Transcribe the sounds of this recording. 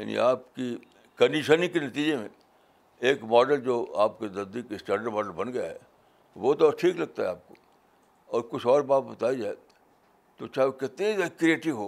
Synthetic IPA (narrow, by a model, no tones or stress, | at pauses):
ja̰ːnḭaːpki | kɐnɖiʃənikenɐt̪iːd͡ʒemḛ̃ | eːkmɔːɖəld͡ʒoːa̰ːp̚kenɐd̪ikɪsʈɛːɖəɾmɔːɖəlbɐnɡɐja̰ɦɛ̰ː | boːt̪ɔʈʰiːklɐɡ̚t̪aɦɛaːp̚ko | ɔːɾkʊt͡ʃʰɔːɾbaːt̪̚bɐt̪aːid͡ʒaːe | t̪ot͡ʃaːɦeokɪt̪nezakɾieːʈɪʋɦoː